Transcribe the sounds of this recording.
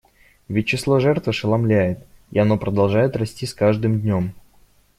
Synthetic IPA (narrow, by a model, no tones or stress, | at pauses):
vʲɪt̚ʲt͡ɕːɪslˠoʐɛrt̪vɨʂɨlˠɐmlʲæjɪt̪ḭɐno̞pɾəd̪ɐlˠʐajɪt̪ɾɐsʲtʲiskaʐd̪ɨmd̪ʲnʲo̞m